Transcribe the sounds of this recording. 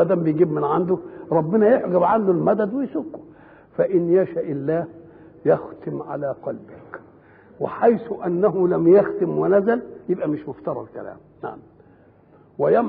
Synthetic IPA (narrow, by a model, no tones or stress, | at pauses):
æd̪æːmbɪjɡiːbmɪnʕand̪ʊɾˤɑbːɪnæjeħɡæbʕand̪ulmæd̪æd̪wɪjsukːu̥ | fæʔɪnjæʃaʔɪlːæːh | jɑxt̪ɪmʕa̰læːqɑlbɪk | wɪ̰ħajsʊʔænːæɦʊlæmjaxt̪ɪmwɪnæzæljɪbʔæmɪʃmʊft̪ɑɾˤɑ̰d̪kæ̰læ̰ːmna̰ʕam | wɪjæm